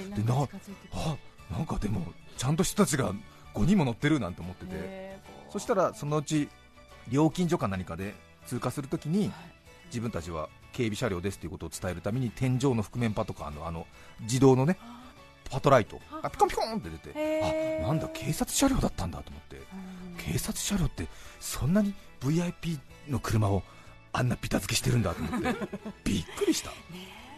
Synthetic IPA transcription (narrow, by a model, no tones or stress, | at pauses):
d̪enaanãŋkad̪e̞mo̞̰t͡ɕãnt̪o̞çi̥t̪ot̪at͡ɕiɡa | ɡ̥o̞ɲ̟ĩmːo̞no̞t̪ːe̞ɾɯ̟nãnt̪e̞omo̞t̪ːe̞t̪e̞so̞ɕi̥t̪aɾaso̞noɯ̟t͡ɕi | ɾʲo̞ːkʲĩɲ̟d͡ʑo̞kanːaɲ̟ikad̪e̞ | t͡sɨːkasɨɾɯ̟t̪o̞kʲiɲ̟i | d͡ʑibɯ̟nt̪at͡ɕiβ̞a̰ | ke̞ːbʲiɕaɾʲo̞ːd̪esɨ̥t̪ːeiɯ̟kot̪oːt͡sɨ̥t̪ae̞ɾɯ̟t̪ame̞ɲ̟it̪ʰẽ̞ɲ̟d͡ʑo̞ːno̞ɸɯ̟̥kɯ̟mẽ̞mpat̪o̞ka̰no̞̰a̰no̞ | d͡ʑid̪o̞ːno̞ne̞ | pʰat̪o̞ɾait̪o̞̰ɡapʲi̥kõmpʲi̥kõnt̪ːe̞d̪e̞t̪e̞̰anãnd̪akʰe̞ːsat͡sɨ̥ɕaɾʲo̞ːd̪at̪ːãnd̪a̰t̪omo̞t̪ːe̞̰kʰe̞ːsat͡sɨ̥ɕaɾʲjo̞ːt̪ːe̞sõ̞nːaɲ̟i | b̥ɯ̟iaipʲiː | no̞kɯ̟ɾɯ̟mao̞ | ãnːapʲi̥t̪azɨke̞ɕi̥t̪e̞ɾɯ̟̃nd̪at̪o̞mot̪ːe̞b̥ʲikːɯ̟ɾʲiɕi̥t̪ḁ